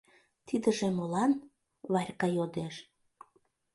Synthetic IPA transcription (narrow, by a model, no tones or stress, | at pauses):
t̪id̪ə̆ʒĕmolɑn | βɑrʲkɑjod̪eʃ